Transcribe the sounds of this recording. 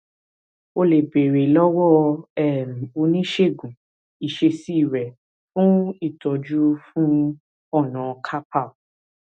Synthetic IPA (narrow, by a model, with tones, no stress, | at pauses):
o˧le˨be˨ɾe˨lɔ˦wɔ˦˨ɛ˦˨m˨o˨˧nĩ˦ʃe˦˨ɡũ˨ | i˨ʃe˧si˦i˦˨ɾɛ˨ | fũ˦i˦˨tɔ˨˧d͡ʒu˦fũ˦ | ɔ˦˨nã˨˧kʰa˦pa˦˨